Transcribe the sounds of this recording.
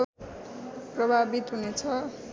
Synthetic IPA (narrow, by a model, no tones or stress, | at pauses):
prʌbʱabit̪ɦunet͡sʰʌ